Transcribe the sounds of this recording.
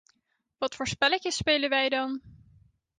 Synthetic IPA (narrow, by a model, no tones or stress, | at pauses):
ʋɑtfoːɹspɛlɪkjəspejlənʋɛjdɑn